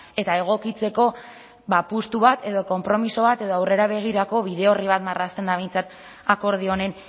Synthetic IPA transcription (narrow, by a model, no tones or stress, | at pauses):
e̞t̪ae̞ɣ̞o̞kit͡se̞ko̞ | bapust̪uβat̪e̞ðo̞ko̞mpɾo̞miso̞βat̪e̞ðoawre̞ɾaβ̞e̞ɣ̞iɾako̞βiðe̞o̞riβ̞at̪marast̪e̞nd̪aβe̞jnt͡sat̪ | ako̞ɾð̞io̞ne̞n